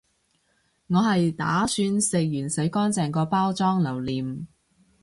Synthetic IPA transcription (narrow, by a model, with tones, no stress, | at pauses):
ŋɔː˨˧hɐ˨jt̪a̰ː˨˥syː˧nsɪ˨k̚jyː˨˩nsɐ˨˥jkɔː˥nt͡sɛː˨˩ŋkɔː˧paː˥wt͡sɔː˥ŋlɐ˨˩wliː˨˩m